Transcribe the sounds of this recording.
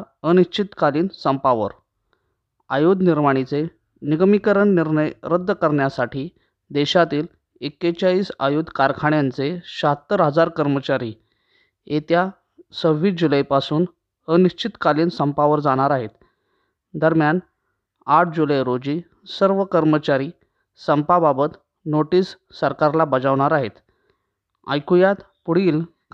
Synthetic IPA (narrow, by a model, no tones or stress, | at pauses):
ɾ | əniɕt͡ɕit̪kaliːnsəmpaʋə̰ɾ | ajud̪ʱniɾmaɽ̃it͡se | niɡmikəɾəɳniɾɳəjɾəd̪ːkəɾɳjasaʈiː | d̪eɕat̪iːl | ekːet͡ɕaiːsa̰jud̪ʱkaɾkʰaɳjant͡seɕat̪ːəɾɦəd͡zaɾkəɾmət͡ɕaɾiː | et̪ja | səʋiːd͡ʑuləjpasuːn | əniɕt͡ɕit̪kaliːnsəmpaʋəɾd͡zaɽ̃aɾaɦet̪ | d̪əɾmjan | aʈʰd͡ʑuləjɾod͡ʑiː | səɾʋəkəɾmət͡ɕaɾiː | səmpababət̪ | noʈiːsːəɾkaɾlabəd͡zaʋɽ̃aɾaɦet̪ | a̰jkujat̪ | puɽ̤iːl